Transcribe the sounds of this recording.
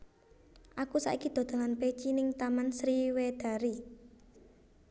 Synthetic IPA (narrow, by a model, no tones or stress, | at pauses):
ʔakusa̰ʔikid̪̥o̤d̪̥a̤ŋanpet͡ʃinɪŋt̪amansɾiwed̪̥a̤ɾi